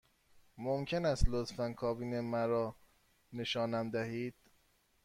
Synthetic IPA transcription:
momcʰe̞næst̪lot̪fænkʰɒːbiːnemæɾɒː | ne̞ʃɒːnæmd̪æhiːd̪̥̚

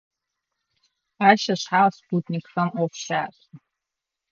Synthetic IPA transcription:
aʃaʃʷħalsputʼnʲikramofʃaːs

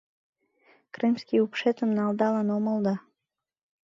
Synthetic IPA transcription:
krɨmskiupʃet̪əmnɑld̪ɑlɑnoməlˠd̪ɑ

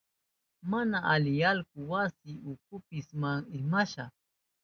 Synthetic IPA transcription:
manaʔalɪjalkʊwasɪʊkʊpɪsmaŋɪmaʃaχ

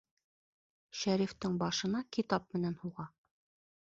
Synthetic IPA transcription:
ʃæɾift̪ɘɴbɑʃɤ̆nɑkit̪ɑp̚mɘ̆nænhuʁɑ

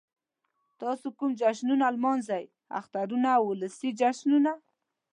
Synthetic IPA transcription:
t̪ɑsokʊmd͡ʒaʃnunalmɑnzaj | a̰xt̪aɾunawʊləsid͡ʒaʃnuna

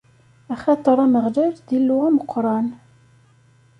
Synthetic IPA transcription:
æχɑt̪ˤəɾˤæməʁlæɾðilːʊʁæməqʰːɾˤɑn

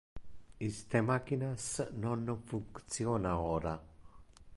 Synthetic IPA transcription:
ist̪emakinasənonofuŋkt͡sionaɣoɾa

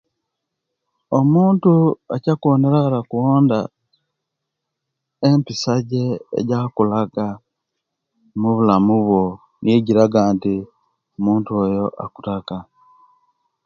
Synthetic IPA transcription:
omuːntuacakuβoneɾaɾakuwoːnda | empisaɟḛːɟakulaɡa | muβulamuβwo | njeɟiɾaɡaːnti | muːntuojo̞ʔa̰ku̥taka

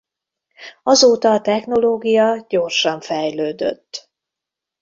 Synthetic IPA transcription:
ɒzoːt̪ɒːt̪ɛxno̞loːɡijɒɟo̞rʃɒɱfɛjløːd̪ø̰t̪ː

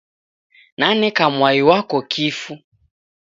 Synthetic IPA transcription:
nanɛkamwaiwakɔkʰifu

